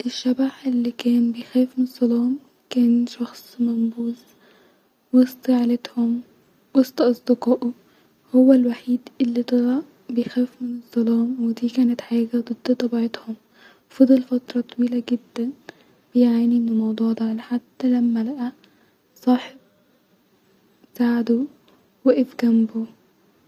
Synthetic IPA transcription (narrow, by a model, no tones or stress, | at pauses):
ʔɪʃːabaħʔɪlːikæːnbɪjxeːfmɪnɨzˤːɑlɑːm | kæːnʃɑxsˤmambuːz | wɨst̪ˤʕalɪt̪hʊm | wɑst̪ˤɑʔɑsˤd̪ɪkɑːʔu | hʊwːalwaħiːd̪ʔɪlːit̪ˤɑɾˤɑ | bɪjxeːfmɪnɨzˤːɑlɑːmwɪd̪iːkæːnɪt̪ħajiːɡad̪ˤɨd̪̥ːɨt̪ˤɑbʕɪt̪hʊm | fɑd̪ˤɑlfɑt̪ɾˤɑt̪ˤɑwiːlaɡɪd̪ːæn | b̥ɪjʕaːniʔɪnːʊmɑwd̪ˤuːʕd̪aʕalaħad̪ːælamːælaʔæ | sˤɑːħeb̚ | saʕd̪u | wɪʔɪfɡambu